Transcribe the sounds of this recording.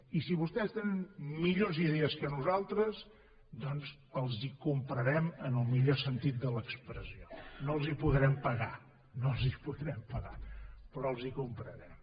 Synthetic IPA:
isiβust̪ɛst̪enənmiʎoziðeəskənuzalˠt̪ɾəz | d̪ɔnz | əlˠzikumpɾəɾɛmənəlˠmiʎosənt̪it̪̚d̪ələkspɾəsionoəlˠzipuðɾɛmpəɣa̰ | nolˠzipuðɾɛmpəɣa̰pɾɔəlˠzikumpɾəɾɛm

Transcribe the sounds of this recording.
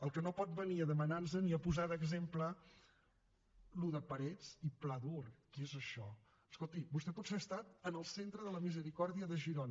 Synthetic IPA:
əlˠkənopɔt̪̚bəniəðəmənanz̬əniəpuzaðəɡzemplə | luðəpəɾɛt͡siplaðurkiezəʃɔ | əskolˠt̪ibust̪ɛpɔt̪seəst̪at̪ənəlˠsent̪ɾəðələmizəɾikɔɾðiəðəʒiɾonə

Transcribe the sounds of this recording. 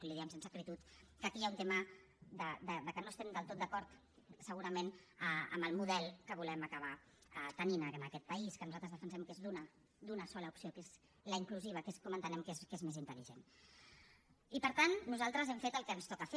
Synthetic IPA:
liðɛɛmsensəkɾit̪ut̪kəkiaunt̪emə | d̪əd̪əd̪əkənoəst̪ɛmd̪əlˠt̪ot̪̚d̪əkɔɾt̪ | səɣuɾəmenəə̰mbəlˠmuðɛlˠkəβ̞ulɛməkəβa | ət̪əninənəkɛt̪̚pəiskənuzalt̪ɾəzðəfənsɛmkezðunə | d̪unəsɔləupsiokez | ləiŋkluziβ̞əkeskɔmənt̪ənɛmkezkezmezint̪əliʒen | ipəɾt̪anːuzalˠt̪ɾəzɛmfet̪əlˠkənst̪ɔkəfe

